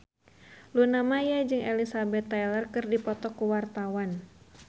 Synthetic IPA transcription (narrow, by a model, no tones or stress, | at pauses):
lunamajad͡ʒɨŋʔelisabɛt̪ːalərkɨrdipɔt̪ɔkuwart̪awan